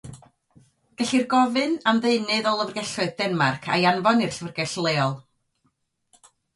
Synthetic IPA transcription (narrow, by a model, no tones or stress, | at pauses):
ɡ̥ɛɬirɡɔvɨnamðeɨnɨðɔlˠəvrɡɛɬʊɨðdɛnmarkʰa̰janvɔnɪr̥ɬvərɡɛɬlˠeːɔlˠ